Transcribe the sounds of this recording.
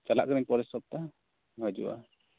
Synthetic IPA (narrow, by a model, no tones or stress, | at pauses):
t͡ʃala̰ʔkaɾɛɲpɔɾɛsɔb̚t̪a | ad͡ʒṵa̰